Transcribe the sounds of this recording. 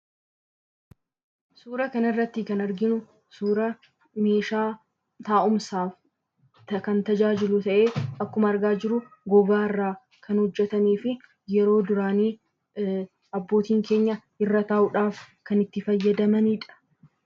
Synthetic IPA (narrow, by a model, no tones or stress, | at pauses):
suːɾɐkɐnɪrːɐt̪ːɪkɐnɐɾɡɪnʊ | suːɾɐ | me̞ːʃaː | t̪aːʔʊmsaːf | t̪ɐkɐnt̪ɐd͡ʒaːd͡ʒɪlʊt̪ɐʔe̞ːɐkːʊmɐːɾɡaːd͡ʒɪɾʊ | ɡɔbaːɪrːaː | kʰɐnhɔd͡ʒːɛt̪ɐmiːfɪ | jɛɾo̞ːd̪ʊɾaːniː | ɐbːo̞ːt̪iːŋke̞ːɲːɐ | ɪrːɐt̪aːʔʊᶑaːf | kɐnɪt̪ːɪfɐjːɐd̪ɐmɐnɪᶑɐ̥